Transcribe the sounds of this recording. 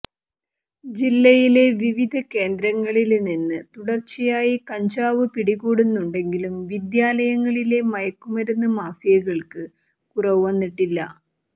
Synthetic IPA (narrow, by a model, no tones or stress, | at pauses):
d͡ʑilːɐjile̞ʋiʋid̪ʱɐke̞ːnd̪ɾɐŋːɐɭilninːɨt̪uɽɐrt͡ɕːijaːjikɐɲd͡ʑaːʋɨpiɽiɣuːɽunːuɳɖe̞ŋɡilumʋid̪jaːlɐjɐŋːɐɭile̞mɐjɐkːumɐɾunːɐmaːfijɐɣɐɭkɨ | kurɐʋɨʋɐnːiʈːilːɐ̰